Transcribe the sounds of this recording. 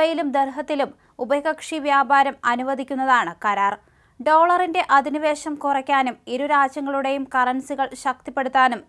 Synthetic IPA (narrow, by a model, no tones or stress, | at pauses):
ɐjilumd̪erɦɐt̪ːilum | ubɐɣɐkʂiʋjaːbʱaːɾɐmɐnuʋɐd̪ʱikʲːunːɐðaːɳɨkɐɾaːr | ɖo̞ːɭɐrinde̞ʔɐd̪iniʋe̞ːɕɐmkurɐkʲːaːnumiɾuɾaːd͡ʑjɐŋːɐɭuɽe̞jumkɐrɐnsiɣɐɭɕɐk̚t̪ipːe̞ɽut̪ːaːnum